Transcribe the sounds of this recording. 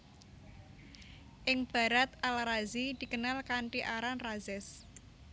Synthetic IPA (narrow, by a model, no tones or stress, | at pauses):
ʔɪŋb̥a̤ɾat̪̚alaɾazid̪̥i̤kənalkaɳʈiʔaɾanrazɛs